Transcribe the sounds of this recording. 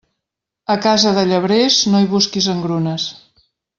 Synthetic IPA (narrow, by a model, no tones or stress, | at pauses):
əkazəðəʎəβɾeznoiβuskizəŋɡɾunəs